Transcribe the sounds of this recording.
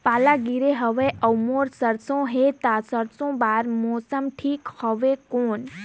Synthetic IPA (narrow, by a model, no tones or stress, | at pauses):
paːlaɡiɾeɦəʋeʔəwmoɾsəɾsõɦet̪asəɾsõbaɾmɔsəmʈʰiːkhəʋekoːn